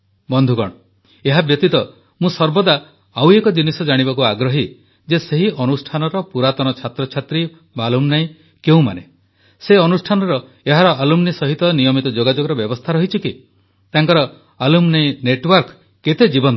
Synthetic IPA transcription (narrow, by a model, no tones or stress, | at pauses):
bɔnd̪ʱuɡɔ̰ɽ̃ɔ | eɦabjɔt̪it̪ɔ | mũsɔɾbɔd̪a | awekɔd͡ʒinisɔd͡ʒaɽ̃ibakuaɡɾɔɦi | d͡ʒeseɦiɔnusʈʰanɔɾɔpuɾat̪ɔñɔt͡ʃʰat̪ɾɔt͡ʃʰat̪ɾi | malumnaĩ | keũma̰ne | seɔnusʈʰanɔɾɔ | eɦaɾɔʔalumnisɔɦit̪ɔnijɔmit̪ɔd͡ʒoɡad͡ʒoɡɔɾɔbjɔbɔst̪ʰaɾɔɦit͡ʃʰiki | t̪aŋkɔɾɔ | alumnaj̃neʈwɔɾk | ket̪ed͡ʒibɔn